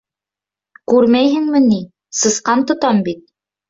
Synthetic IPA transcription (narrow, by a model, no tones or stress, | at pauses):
kʉɾmæjɦɘ̆ŋmɘni | sɤ̆sqɑnt̪ŏt̪ɑmbit̪̚